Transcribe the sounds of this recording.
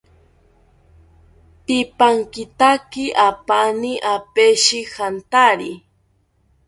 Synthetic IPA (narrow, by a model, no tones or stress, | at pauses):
t̪ɪpaŋkɪt̪akɪʔapaniʔapeʃixant̪aɾi